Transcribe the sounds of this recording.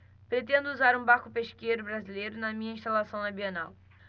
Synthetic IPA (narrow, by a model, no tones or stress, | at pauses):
pɾet̪ẽnd̪ʊuzaɾũbaɾkʊpeʃkejɾʊbɾazilejɾʊnɐmĩɲɐĩʃt̪alasɐ̃w̃nɐbiɐnaw